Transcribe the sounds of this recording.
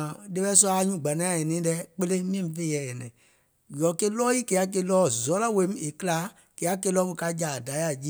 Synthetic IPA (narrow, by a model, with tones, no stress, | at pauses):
de˦ɓɛ˦sɔ˦a˦ɲũ˦˨ɡ͡ba˨nã˨˦a˦˨e˨nĩː˨˦lɛ˧˦k͡pe˦le˦mĩ˦ɛ̃˦˨fe˦˨˦ɛ˨jɛ˨nɛ̃˨ | jɔ˨˦ke˦lɔː˦ji˦ke˧˦a˦k̬e˧lɔː˦zɔ˨˦la˦˨we˨˦m˦e˨kɨ˦laː˨˦ | ke˨˦a˦k̬e˧˦lɔ˦mu˨ka˧˦d͡ʒa˨da˨˦a˨d͡ʒi˦